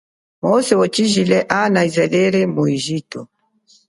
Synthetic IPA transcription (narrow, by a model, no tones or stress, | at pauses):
mɔsɛwɔt͡ʃiʒilɛʔanaizɛlɛɾɛmuiʒitɔ